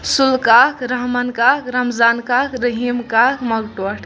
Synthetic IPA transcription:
sulkakɾəɦmənkakɾəmzaːnkakɾəɦimkakməɡʈoʈʰ

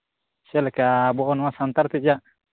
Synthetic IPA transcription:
sɛlɛkabɔɔnwasant̪aɾt̪id͡ʒaʔ

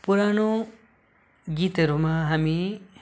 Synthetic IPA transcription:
puɾano | ɡiːt̪ɐɾumaɦɐmi

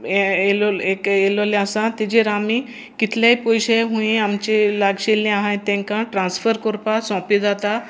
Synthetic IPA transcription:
eloekelɔleasãt̪id͡ʑiɾami | kit̪ljaipɔjɕeɦũẽamt͡ɕelaɡɕelːĩaɦãjt̪ɛ̃ŋkãʈɾãnsfəɾkɔɾpasɔ̃pid͡zat̪a

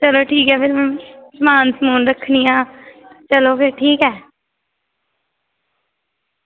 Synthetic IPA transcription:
t͡ʃəloːʈʰiːkɛːpʰɪɾsəmaːnsəmuːnɾəkʰːnijãːt͡ʃəloːpʰɪɾʈʰiːkɦɛː

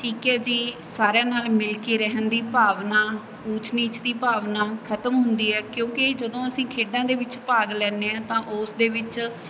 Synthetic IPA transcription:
ʈʰiːkɛːd͡ʒiːsaːɾjãːnaːlmɪlkiːɾɛɦənd̪iːpaːʋnaː | ut͡ʃniːt͡ʃd̪iːpaːʋnaːkʰət̪əmɦʊnd̪iːɛːkjõːkɪd͡ʒəd̪õːəsĩːkʰeːɖãːd̪eːʋɪt͡ʃpaːɡlɛːneːãːt̪ãːʔʊsd̪eːʋɪt͡ʃ

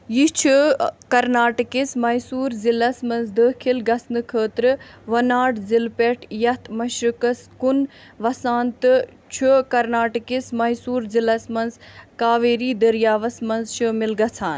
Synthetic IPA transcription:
jit͡ʃʰukɐɾnaːʈkismɐjsuːɾzilɐsmɐnzd̪əːkʰilɡɐsnɨkʰəːt̪ɾɨʋɐnaːʈzilpeʈʰjɐt̪ʰmɐʃɾɨkɐskun | ʋɐsaːnt̪ɨ | t͡ʃʰukɐɾnaːʈəkismɐjsuːɾzilɐsmɐnzkaːʋeːɾiːd̪ɐɾjaːʋɐsmɐnzʃɨmɪlɡɐt͡sʰaːn

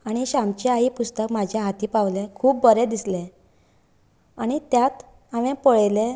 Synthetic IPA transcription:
aɽ̃iɕamt͡ɕeaɦiːpust̪əkmad͡ʑʱjaɦat̪iːpaʋlẽkʰuːp̚bəɾed̪islẽ | aɽ̃it̪jat̪ | aʋẽpəɭlẽ

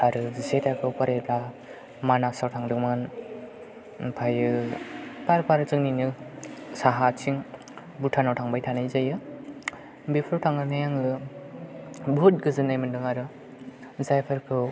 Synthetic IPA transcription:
aɾɯzetakʰɯwpaɾela | manasawtʰaŋdɯŋmɯn | pʰajɯ | paɾpʰaɾɯt͡ʃɯŋninɯsaɦat͡ʃiŋ | butʰanawtʰaŋbajtʰanajzajɯ | bepʰɯɾtʰaŋɯnajaŋɯ | but̚ɡɯzɯnːajmɯndɯŋaɾɯ | zajpʰɯɾkʰɯw

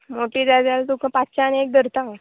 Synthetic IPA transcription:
moʈiːd͡zad͡zalt̪ukʰãpatt͡ɕaniek̚d̪ʱəɾt̪a

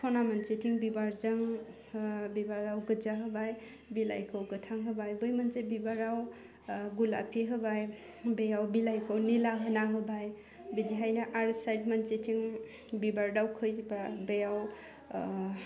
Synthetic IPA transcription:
tʰɔnamant͡ʃetʰiŋbibaɾzaŋ | bibaɾdawɡɯd͡ʒaɦɯbaj | bila̰jkʰowɡɯtʰaŋɦɯbajbɯjmənsebibaɾaw | ɡula̰pʰiɦɯbaj | bejawbilajkʰɯwnilaɦɯnaɦɯbaj | bidiɦajnaʔaɾsajdmansetʰiŋ | bibaɾdawkʰɯjibabejaw

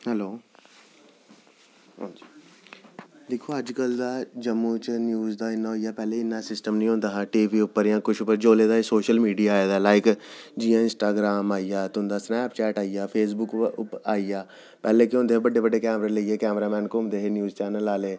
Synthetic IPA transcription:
hɛloː | d̪ɪkʰoːəd͡ʒkəld̪aːd͡ʒəmːũt͡ʃnjuːzd̪aːɪnːaoːijaːpɛːleːɪnːãːsɪsʈəmnĩːõːnd̪aːɦʈiːʋiːʊpːəɾjãːkʊʃʰʊpːəɾd͡ʒoːleːd̪aːesoːʃəlmiːɖijaːeːd̪aːlaːɪkd͡ʒijãːɪ̃nsʈaːɡɾaːmaːijaːt̪ːnd̪aːsnɛːpt͡ʃɛːʈaːijaːpʰeːs̬bʊkʊaːijaː | pɛːleːkɪʊ̃nd̪eːbəɖːeːbəɖːeːkɛːmɾaləiːeːkɛːmɾaːmɛ̃ːnkoːmd̪eːɦeːnjuːzt͡ʃɛːnəlaːleː

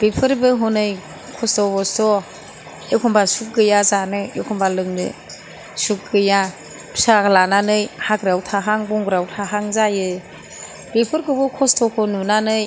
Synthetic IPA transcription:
b̥epʰɯɾbɯɦɔnɯj | kʰɔstɔbɔstɔ | ekʰɔmbasuk̚ɡɯjazanɯekʰɔmbalɯŋnɯ̰ | suk̚ɡɯja | pʰsaɡlananɯjhaɡɾawtʰaɦaŋbɔŋɡɾawtʰaɦaŋzajɯ | b̥ipʰɯɾkɯbɯkʰɔstɔkʰɔnunanɯj

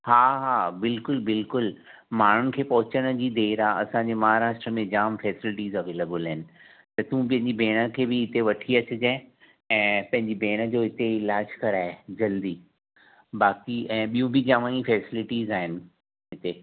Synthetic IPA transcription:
haːɦaːbɪlkʊlbɪlkʊl | maːɳ̤ʊnɪ̆kʰeːpɐɦʊt͡ɕəɽ̃d͡ʑiːd̪eːɾaːɐ̰sãɲd͡ʑeːmɐɦaɾaːsʈɾəmẽd͡ʑaːmfɛːsɪlɪʈiːzɐʋeːlebəlaɦɪnɪ̆ | t̪ɐt̪ũp̬ɐ̃ɦɪɲd͡ʑibʱeːɽ̃əkʰeːbɪɪt̪eʋɐʈʰiɐt͡ɕʊd͡ʑẽ | ɛ̃ːpɐ̃ɦɪ̃ɲd͡ʑibʱeːɽ̃ə̆d͡ʑoːɦɪt̪eɪlaːd͡ʑkɐɾaːed͡ʑɐld̪iː | baːkiʔɛ̃ːɓijũbɪd͡ʑaːʋãĩfɛːsɪlɪʈiːzaːɦɪnɪ̆ | ɦɪt̪e

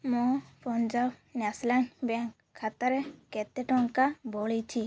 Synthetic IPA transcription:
mɔ̃pɔnd͡ʒawnaslanbaŋ | kʰat̪aɾɛkɛt̪ɛʈɔŋkabɔɭit͡ʃʰi

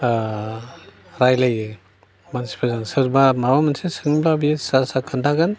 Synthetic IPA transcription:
ɾajlajɯ | mansi̥pʰazansɯɾbamaɾwamansesɯŋblabisasakʰɯndaɡan

